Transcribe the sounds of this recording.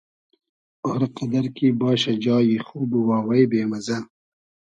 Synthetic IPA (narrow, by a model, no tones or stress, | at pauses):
oɾqad̪ɐɾkibɑːɕɐd͡ʒɑːjixuːbuwɑːwɐjbeːmɐza